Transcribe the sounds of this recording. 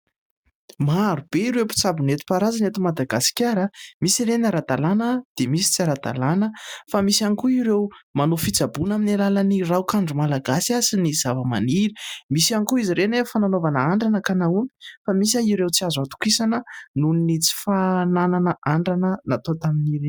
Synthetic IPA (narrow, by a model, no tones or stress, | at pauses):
maɾub̥eiɾepi̥t͡sabinet̪u̥paɾazanet̪imad̪aɡasi̥kʲaɾəmisiɾenaɾad̪alanəd̪̥emisi̥t͡siaɾad̪a̰lanəfamisanikuiɾewmanofit͡sabunaminalalənirawkaɳɖ͡ʐumalaɡasiasiniz̥avəma̰niɾimisianikuiziɾenefananovanəaɳɖ͡ʐanəkanaumi̥famis̬aiɾewt͡siazuat̪u̥kisanənuninit͡si̥fanananəʔaɳɖ͡ʐanənat̪ot̪aminiɾe